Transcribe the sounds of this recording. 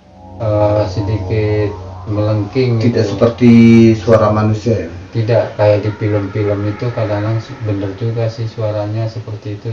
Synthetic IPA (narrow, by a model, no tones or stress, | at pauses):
əsədikɪt̪̚mələŋkɪŋt̪idaʔsəpərt̪isuaɾamanusiat̪idaʔkajaʔdipiləmpiləmit̪ukadaŋlaŋsbənərd͡ʒuɡasɪhsuaɾaɲasəpərt̪iːt̪u